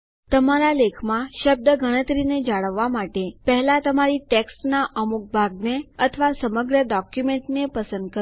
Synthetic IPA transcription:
t̪əmaɾalekʰmãʃəb̚d̪əɡəɽ̃ət̪ɾined͡ʒaɭəʋːamaʈepəɦɛlat̪əmaɾiʈeksʈnaʔəmuk̚bʱaɡneət̪ʰəʋasəməɡɾəɖɔkjumeɳʈnepəsənd̪̚kə

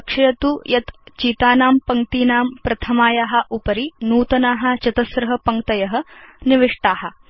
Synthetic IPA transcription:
kʂɐjɐt̪ujɐt̪t͡ʃiːt̪aːnaːmpɐŋt̪iːnaːmpɾɐt̪ʰɐmaːjaːɦɐ̆ʔupɐɾinuːt̪ɐnaːɦɐ̆t͡ʃɐt̪ɐsɾɐɦɐ̆pɐŋkt̪ɐjɐɦɐ̆niʋiʂʈaːɦɐ̆

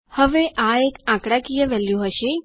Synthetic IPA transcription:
həʋeʔaekãkɽakijəʋɛljuɦəʃe

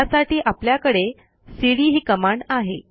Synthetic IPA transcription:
asaʈiːʔapljakəɽe | siɽiːɦiːkəmaɳaɦe

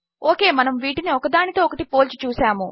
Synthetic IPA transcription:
oːke̞ːmɐnɐmʋiːʈiniɔkɐd̪aːɳit̪o̞ːɔkɐʈipoːlt͡ʃu̥t͡ʃuːsaːmu

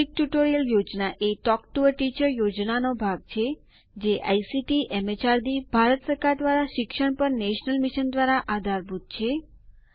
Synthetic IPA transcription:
ik̚ʈjuʈoɾijəljod͡ʒnaʔeʈɔkʈuəɾʈit͡ʃəɾjod͡ʒnanobʱaɡ̚t͡ʃʰe | d͡ʒeʔa̰jsiʈiʔɛmet͡ʃaɾd̪ibʱaɾət̪səɾkaɾd̪ʋaɾaʃɪkʃəɳ̃pəɾneʃnəlmiʃənd̪ʋaɾaʔad̪ʱaɾbʱut̪̚t͡ʃʰe

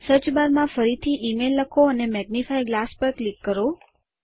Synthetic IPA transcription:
səɾt͡ʃbaɾmãfəɾit̪ʰiʔimelːəkʰoənemɛɡ̚nifajɡlaspəɾklikːəɾo

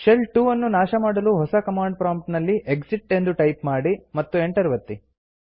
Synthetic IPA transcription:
ʃelʈuːɐnːunaːʃɐmaːɽɐluɦɔsɐkɐmaːɳɖ̚pɾaːmpʈnɐlːiʔeksiʈːe̞nd̪uʈɐjpmaːɽimɐt̪ːue̞ɳʈɐɾʋɐt̪ːi

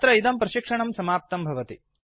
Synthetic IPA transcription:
t̪ɾɐid̪ɐmpɾɐʃikʂɐɳɐmsɐmaːp̚t̪ɐmbʱɐʋɐt̪i

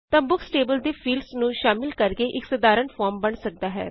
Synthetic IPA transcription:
t̪ə̃mbʊksʈeːbəld̪eːpʰiːlɖsnũːʃaːmɪlkəɾɡeːʔɪksəd̪aːɾəɳfʰɔːɾmbəɳsək̚d̪aːɦɛ̰ː

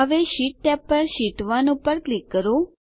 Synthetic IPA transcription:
əʋeʃiʈ̚ːɛpːəɾʃiʈʋanõpəɾklikːəɾo

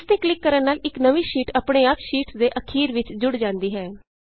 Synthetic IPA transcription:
st̪eːklɪkːəɾənːaːlɪknəʋiːʃiːʈaːpɽeːaːpʃiːʈsd̪eːʔəkʰiːɾʋɪt͡ʃd͡ʒʊɽd͡ʒãːnd̪iːɦɛː

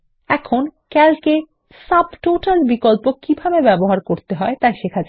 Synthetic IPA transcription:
ɛkʰonkɛlke | sabʈoʈalbikolpokːibʱabebɛboɦaɾkoɾt̪eɦɔet̪ajʃekʰad͡ʑʰ

